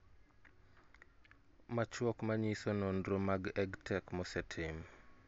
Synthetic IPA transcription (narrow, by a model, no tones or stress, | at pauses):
mat͡ʃwɔkmaɲisonɔndɾomaɡɛɡtʰɛkmɔsɛtʰɪm